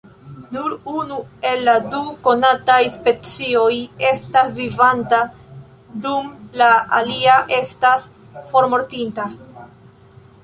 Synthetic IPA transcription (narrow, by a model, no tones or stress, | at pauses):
nuɾunue̞lːaduko̞natajspe̞t͡sio̞je̞stasvivanta | dumlaaliaʔe̞stas | fo̞ɾmo̞ɾtinta